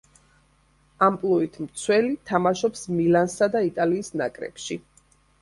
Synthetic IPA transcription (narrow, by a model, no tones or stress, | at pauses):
ampʼlˠuit̪ʰmt̪sʰwɛlit̪ʰamaʃɔpsmilansad̪ait̪ʼaliːsna̰kʼɾɛ̰pʃi